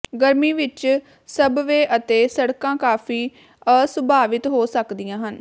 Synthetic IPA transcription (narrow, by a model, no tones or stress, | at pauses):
ɡəɾmiːʋɪt͡ʃ | səbʋeːʔət̪eːsəɽkãːkaːfʰiː | əsəbʱaːʋɪt̪ɦoːsəkd̪ijãːɦən